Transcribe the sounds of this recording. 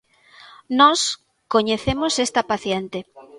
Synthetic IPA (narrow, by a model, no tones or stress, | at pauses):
nɔs | koɲeθemosest̪ɐpaθjent̪e